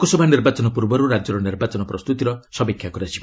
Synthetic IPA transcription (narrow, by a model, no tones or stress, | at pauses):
kosɔbʱaniɾbat͡ʃɔnɔpuɾbɔɾuɾad͡ʒɔɾɔniɾbat͡ʃɔnɔpɾɔst̪ut̪iɾɔsɔbekʰːjakɔɾat͡ʃʰi̥